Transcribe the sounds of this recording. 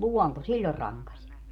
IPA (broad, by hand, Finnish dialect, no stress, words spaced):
luɔnto silʲːor rɑŋkɑsʲ